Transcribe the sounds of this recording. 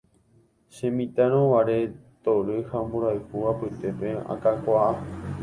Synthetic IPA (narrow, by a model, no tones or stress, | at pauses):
ʃẽmĩt̪aɾ̃õʋaɾe̞t̪oɾɨhãmbuɾajhuapɨt̪e̞pe̞a̰kakʷaa